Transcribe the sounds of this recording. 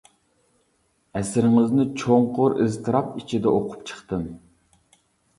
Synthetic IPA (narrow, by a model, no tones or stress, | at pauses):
ɛsɪɾɪŋɪznɪt͡ʃʰoŋqʊɾɪ̰zt̪ʰɨɾɑpit͡ʃʰid̪ɛʔoqʰʊ̥p̚t͡ʃʰə̥χt̪ɨm